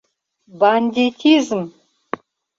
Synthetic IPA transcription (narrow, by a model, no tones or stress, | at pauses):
banʲd̪ʲit̪ʰizm